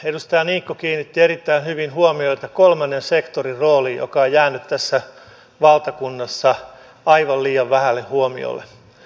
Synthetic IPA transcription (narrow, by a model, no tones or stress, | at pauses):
edust̪ɑjɑniːkːokiːnːit̪ːieɾit̪ːæinhyʋinhuomioit̪ɑkolmɑnːensekt̪oriroːliːjo̰kɑojjæːnyt̪t̪æsːæ | ʋɑlt̪ɑkunːɑsːɑ | ɑiʋɑlliːɑʋʋæhælːehhuomḭo̰lːḛ